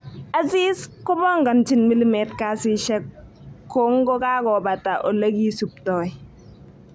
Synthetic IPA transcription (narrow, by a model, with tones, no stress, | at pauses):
a˦zi˦skʊ˦bɔ˦ŋɡa˨nt͡ʃɪ˨nmi˦li˦mɛ˨tka˦sɪ˦ʃɛ˦kː | ɔ˦ŋɡɔ˦ka˦kɔ˨ba˨ta˨ʔɔ˨le˦ɡi˦su˨p̚tɔ˨ɪ